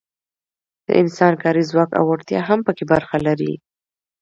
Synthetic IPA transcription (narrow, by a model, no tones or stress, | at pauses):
d̪̥ə̰ʔɪnsɑnkɑɾizwɑka̰waɽt̪jɑ̰ɦampəkebaɾxalaɾḭ